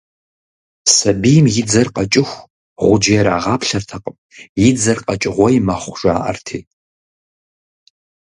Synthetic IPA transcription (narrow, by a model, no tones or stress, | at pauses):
sɐbijmjɪd͡zɐrqɐt͡ʃʼɪxʷ | ʁʷʊd͡ʒɪjɛɾaːʁɑːpɬɐrtʰɐqʼəm | jɪd͡zɐrqʼɐt͡ʃʼɪʁʷɔjmɐχʷʊʒaːʔɐ̰rtʰiː